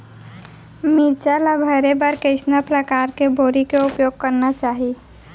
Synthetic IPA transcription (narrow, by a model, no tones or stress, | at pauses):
miɾt͡ʃalabʱəɾebəɾkəɪsnapɾəkaɾkeboɾikeupjoɡ̚kəɾnat͡ʃaːɦi